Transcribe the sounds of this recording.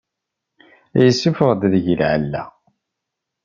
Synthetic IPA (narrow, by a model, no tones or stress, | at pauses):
æjəsːufəʁd̪ðəʝəlʕə̰lːæ̰